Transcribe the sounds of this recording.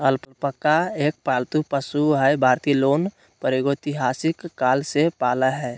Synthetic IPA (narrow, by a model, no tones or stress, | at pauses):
əlpʊlpəkːaeːk̚palt̪upəsuɦɛbʱaːɾt̪iloːn | pəɾeɡoɪt̪iɦaːsɪkːaːlsepaːləɦɛ